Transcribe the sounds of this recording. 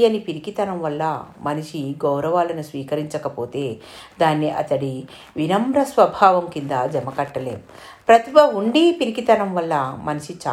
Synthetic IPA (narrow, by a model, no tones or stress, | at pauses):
ɐnipiɾikit̪ɐnɐmʋɐlːɐmɐniʂiɡɐwɾɐʋaːlɐnusʋiːkɐɾiɲt͡ʃɐkɐpoːt̪e̞ː | d̪aːnːiʔɐ̰t̪ɐɽi | ʋinɐmɾɐsʋɐbʱaːʋɐmkind̪ad͡ʒɐmɐkɐʈːɐlḛːm | pɾɐt̪ibɐuɳɖipiɾikit̪ɐnɐmʋɐlːɐmɐniʃit͡ʃa